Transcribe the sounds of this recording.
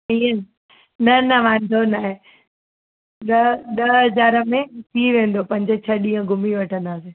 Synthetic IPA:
iə̃ | nɐnɐʋãːnd̪onaːɦe | ɗɐɗɐɦɐzaːɾə̆mẽt̪ʰiʋẽːn̆d̪opɐ̃ɦɪ̃ɲd͡ʑet͡ɕʰɐɗĩːə̃ɡʱʊmiʋɐʈʰə̃nd̪aːseː

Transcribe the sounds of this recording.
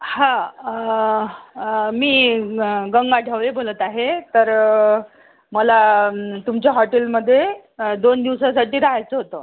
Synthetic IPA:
hã | miː | ɡəŋɡaʈjaʋlebolət̪aɦet̪əɾ | məlat̪umt͡ɕjaɦɔʈelməd̪ʱːjed̪ond̪iʋsasaʈiːɾaɦajt͡səɦot̪əː

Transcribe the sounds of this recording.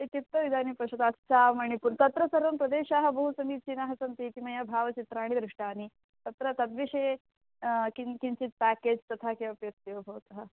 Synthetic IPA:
et̪ip̚t̪ːɐʋid̪ʱaːnipɾɐʃɐd̪aːst͡ʃaːmɐɳ̃ipunt̪ɐt̪ɾɐsɐɾʋɐmpɾɐd̪eːʃaːɦɐ̆bɐɦusɐmiːt̪̚t͡ʃinaɦɐsɐnt̪iːt̪imɐjabʱaːʋɐt͡ʃit̪ɾaːɳ̃id̪ɾɨʂʈaːni | t̪ɐt̪ɾɐt̪ɐd̪ʋiʂeː | kikint͡ʃit̪̚pæːkeːd͡ʒt̪ɐt̪ʰaːkeɐpjɐk̚t̪jeʋbʱɐʋt̪ɐɦɐ̆

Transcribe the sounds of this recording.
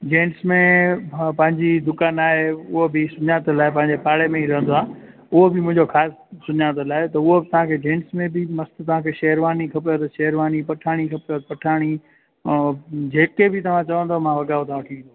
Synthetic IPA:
d͡ʑẽːɳʈsmẽpɐ̃ɦɪ̃ɲd͡ʑid̪ʊkaːnaːɦeʊɦobɪsʊɲaːt̪laːɪpɐ̃ɦɪ̃ɲd͡ʑepaːɽemẽiɾɐɦə̃nd̪oaː | ʊɦobɪmʊ̃ɦɪ̃ɲd͡ʑoxaːsː | ʊɲaːt̪olaːet̪ɐʊɦot̪ɐʋ̤ãkʰeːd͡ʑẽːɳʈsmẽbɪmɐst̪t̪ɐʋ̤ãkʰeːʃɐːəɾʋaːnikʰɐpijot̪ɐʃɐːəɾʋaːnipɐʈʰaːɽ̃ikʰɐpijot̪pɐʈʰaːɽ̃i | d͡ʑeːkebʱɪt̪ɐʋ̤ãt͡ɕɐʋə̃nd̪omãʋɐɠaːot̪ɐʋãʋɐʈʰĩĩno

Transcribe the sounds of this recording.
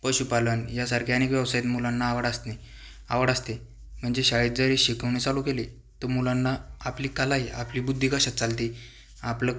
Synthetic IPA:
pəɕupalənjasaɾkʰianekʋjəʋsajt̪mulanːaːʋəɽast̪ni | a̰ʋəɽast̪e | m̤əɳd͡zeɕaɭiːt̪̚d͡zəɾeɕikʰəʋɳ̃it͡salũkele | t̪əmulanːaapliːkalaiʔapliːbud̪ʱːikəɕat̪t͡salt̪i | aplə

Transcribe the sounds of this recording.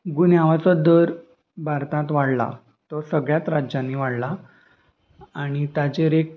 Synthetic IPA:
ɡunjaʋat͡sɔd̪əɾ | bʱaɾt̪ãt̪ʋaɽla̰ | t̪ɔɾsəɡɭjat̪ɾad͡ʑãnːiʋaɽla | aɽ̃it̪jad͡ʑeɾek̚

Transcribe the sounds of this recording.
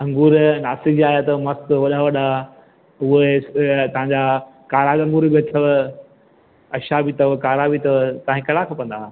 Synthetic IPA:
ɐ̃ŋɡuːɾnaːsɪd͡ʑaːjat̪ɐmɐst̪ʋɐɗaʋɐɗa | ʊet̪ɐɦãɲd͡ʑakaːɾaɡɐ̃ŋɡuɾbiɐt̪ʰɐʋ | ɐʃabʱit̪ɐʋkaːɾabit̪ɐʋt̪ɐãɦkɐɽakʰapɐ̃nd̪aː

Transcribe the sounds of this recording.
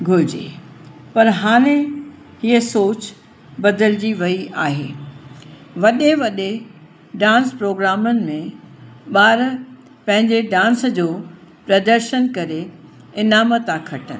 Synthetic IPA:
ɡʱʊɪd͡ʑḛ | pɐɾɦaːɽ̃ẽ | ɦiəsoːt͡ɕ | bɐd̪əld͡ʑiʋɐiʔaːɦḛː | ʋɐɗeʋɐɗe | ɖãːnspɾoːɡɾaːmənɪ̆mẽ | ɓaːɾ | pɐ̃ɦɪ̃ɲd͡ʑeɖãːnsd͡ʑoː | pɾɐd̪əɾʃənkɐɾe | ɪnaːmət̪ãkʰɐʈənɪ

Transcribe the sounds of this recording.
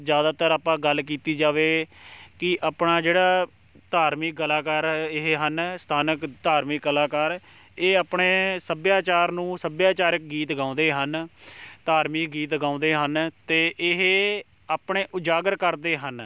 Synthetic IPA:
d͡ʒjaːd̪aːt̪əɾaːpãːɡəlkiːt̪iːd͡ʒaːʋeːkɪʔaːpnaːd͡ʒeːɽaː | t̪aːɾmɪkːəlaːkaːɾɪɦɦənst̪ʰaːnəkt̪aːɾmɪkːəlaːkaːɾ | eːaːpɳeːsəbjaːt͡ʃaːɾnũːsəbjaːt͡ʃaːɾək̚ɡiːt̪ɡãːʊ̃nd̪eːɦənt̪aːɾmikɡiːt̪ɡãːʊ̃nd̪eːɦənt̪eːʔɪɦ | aːpɳeːʔʊd͡ʒaːɡəɾkəɾd̪eːɦən

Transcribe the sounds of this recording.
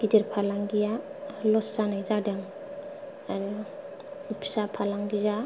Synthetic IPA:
ɡ̥ideɾpʰalaŋɡijalɔsːanajzadaŋ | aɾɔ | pʰi̥sapʰalaŋɡiza

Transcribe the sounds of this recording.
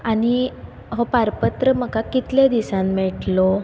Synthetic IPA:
aɽ̃i | ɦopaɾpət̪ɾəm̤əkakit̪ljad̪isãmmɛʈlo

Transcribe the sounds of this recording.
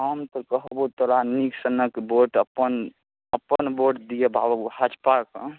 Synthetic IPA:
ɦəmt̪ɔkəɦbut̪oɾaniksənəkeboʈəpːən | əpːənboʈd̪ijebʱa̰bəbuhad͡ʒpakə̰̃

